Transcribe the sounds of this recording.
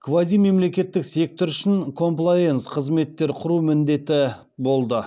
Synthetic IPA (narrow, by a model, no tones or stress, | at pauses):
kʰvazijme̞mle̞kʲe̞t̪ːɪkse̞k̚t̪oɾʏʃɪŋkʰo̞mplˠajensqʰəzme̞t̪ːe̞ɾqʰʊɾumɪnd̪e̞t̪ɪ | bo̞lˠd̪ə